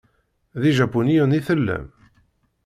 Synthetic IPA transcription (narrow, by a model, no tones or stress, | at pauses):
ðiʒæpːunijuniθəlːæ̰m